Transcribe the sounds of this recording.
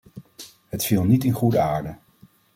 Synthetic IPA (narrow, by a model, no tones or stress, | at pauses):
ɦətfilˠnitɪnχudəaːɹdə